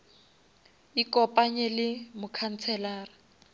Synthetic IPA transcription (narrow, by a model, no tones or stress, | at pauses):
ikʼɔpʼaɲɛlɪmʊkʰan̩t͡sʰɛlaːra